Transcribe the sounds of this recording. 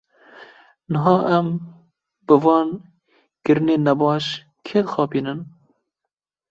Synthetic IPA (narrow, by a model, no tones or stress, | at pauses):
nəɦɑːʔɛm | b̥ɨvɑːn | kɨɾɨneːnɛbɑːʃ | kʰeːd̪xɑːpiːnɨn